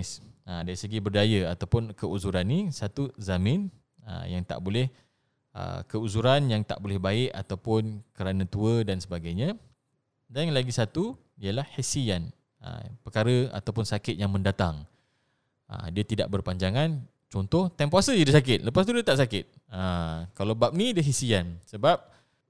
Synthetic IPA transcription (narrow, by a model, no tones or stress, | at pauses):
sədaɾisəɡibərdajəat̪awpʊnkəuzuɾanːisat̪uzamɪ̃n | ə̰jaŋt̪a̰ʔbolɛh | ə̰kəuzuɾanjaŋt̪a̰ʔ̚bolɛhbaɪʔa̰t̪awpʊnkəɾanə̃t̪uədansəbaɡajɲã | daŋlaɡisat̪u | ijəlahhisian | ə̰pəkaɾəa̰t̪awp̬ʊnsakɪt̪̚jaŋmə̃ndat̪aŋ | ə̰diət̪ida̰ʔ̚bərpaɲd͡ʒaŋan | t͡ʃɔnt̪ɔht̪ɛmpuasəjidisakɪt̪̚ləpast̪udiat̪aʔsakɪt̪̚ | əkalawbap̚nĩdəɦisiansəbap̚